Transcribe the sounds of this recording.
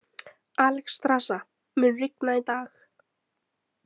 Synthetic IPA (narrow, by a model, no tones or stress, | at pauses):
alkst̪ɾasa | mʏnrɪknait̪aːx